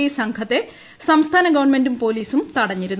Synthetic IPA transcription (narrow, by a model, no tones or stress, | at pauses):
jsɐŋkʰɐt̪ːe̞ | sɐmst̪ʰaːnɐɡɐʋɐɳmendumpo̞ːliːsumt̪ɐɽɐɲːiɾunː